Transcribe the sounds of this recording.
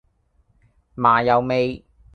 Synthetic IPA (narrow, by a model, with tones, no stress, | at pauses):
maː˨˩jɐ˨wme˨˧j